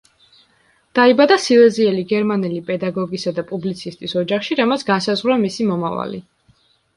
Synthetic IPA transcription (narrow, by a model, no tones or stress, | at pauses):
d̪̥aibad̪asilˠɛziɛliɡɛɾmanɛlipʼɛd̪aɡɔɡisad̪apʼublit̪sʰist̪ʼisɔd͡ʒaχʃiɾamat̪sʰɡansazʁɾamisimɔmava̰lḭ